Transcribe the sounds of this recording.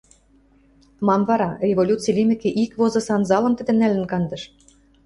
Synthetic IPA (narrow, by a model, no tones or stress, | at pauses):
mɑmvɑɾɑrʲevolʲut͡silʲimʲɘ̆kĕʔikβozɤ̆sɑnzɑlɤ̆mt̪ɘ̆d̪ɘ̆nælɘ̆nkɑnd̪ɤ̆ʃ